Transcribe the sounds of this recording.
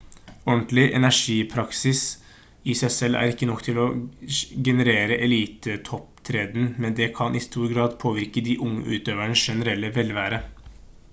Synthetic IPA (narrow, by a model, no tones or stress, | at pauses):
ɔnt̪lɪʔɛ̰næʂiːpʰɾɑksɪs | ɪsæɪsɛlːæ̰ɾɪkːənɔkːt̪ʰɪlɔ | ɡɛnəɾeːɾəʔɛliːt̪ət̪ʰɔpt̪ʰɾeːd̪n̩mɛnd̪ɛkʰɑnʔɪst̪uːɾɡɾɑːd̪pʰoːʋɪɾkəd̪ɪʔʊŋːə̰ʔʉːt̪øːʋəɳsʃɛnəɾɛlːəʋɛlʋæːɾə